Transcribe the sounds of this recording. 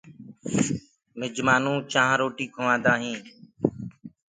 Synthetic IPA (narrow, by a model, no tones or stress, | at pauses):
mɪd͡ʒmaːnũːt͡ʃãːɦɾoːʈiːkʰoʋãːd̪aːɦĩː